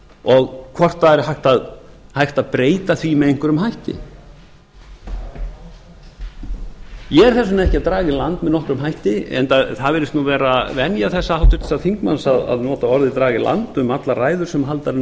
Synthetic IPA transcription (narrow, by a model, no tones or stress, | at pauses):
ɔɣkʰvɔr̥t̪aðɛɾhajht̪aðhajht̪aðpɾeːjt̪aθvimɛðejŋ̥kvʏɾʏmhajht̪ɪ̰ | jɛɛɾ̥θɛsʏnɛhcɪaðt̪ɾaːɣɪlant̪mɛðnɔhkɾʏmɦajht̪ɪɛ̰nt̪aθaðvɛːɾɪst̪nuvɛːɾavɛnjaθɛsːaawt̪ʏ̥ɾt̪ʰsaðθiŋkmansaða̰ðnɔːt̪aɔɾðɪt̪ɾaːɣɪla̰nt̪ʏmat̪laraːjðʏɾsɛmɦalt̪aɾ